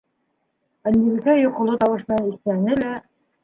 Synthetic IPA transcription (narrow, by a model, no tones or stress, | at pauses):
ænʲd̪ʲiβikæjŏqɤ̆lˠot̪ɑwɤ̆ʃmɘ̆nɑnit̪ænːɘlæ